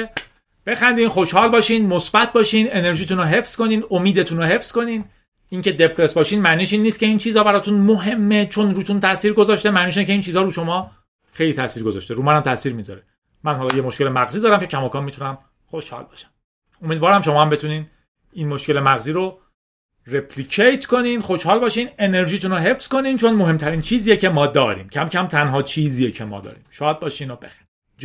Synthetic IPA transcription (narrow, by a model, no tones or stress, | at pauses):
b̥e̞xænd̪iːnxo̞ʃhɒːlbɒːʃiːnmosbæt̪̚ʰbɒːʃiːne̞ne̞ɾʒiːt̪ʰunoɦe̞fsko̞niːnomiːd̪et̪ʰunoɦe̞fsko̞niːn | iːnce̞d̪e̞pʰɾe̞sbɒːʃiːnmæniːʃiːnːist̪̚ce̞int͡ʃʰiːzɒːbæɾɒːt̪ʰunmoɦe̞mːe̞t͡ʃʰo̞nɾuːt̪unt̪ʰæsiːɾɡozɒːʃt̪emæniːʃ̬incʰeint͡ʃʰiːzɒːɾuːʃo̞mɒː | xe̞jliːt̪ʰæsviːɾɡozɒ̰ʃt̪eɾuːmænæmt̪ʰæsiːɾmizɒ̰ɾe | mænhɒːlɒːjemoʃke̞lemæɣziːd̪ɒːɾæmcʰe̞cʰæmɒːkʰɒːnmit̪unæm | χoʃhɒ̰ːlbɒ̰ʃæ̥m | omiːd̪vɒːɾæmʃo̞mɒːhæmbe̞t̪ʰuniːn | inmoʃce̞le̞mæɣziːɾo | repʰliːkʰejt̪ʰko̞niːnxoʃhɒːlbɒːʃiːne̞ne̞ɾʒiːt̪ʰunoɦe̞fsko̞niːnt͡ʃʰonmoɦe̞mt̪ʰæɾiːnt͡ʃʰiːzijecʰemɒːd̪ɒːɾḭːmcʰæmcʰæmt̪ʰænɦɒːt͡ʃʰiːziːjecʰe̞mɒ̰ːd̪ɒ̰ːɾḭːmʃɒːd̪̚bɒːʃiːnobexæni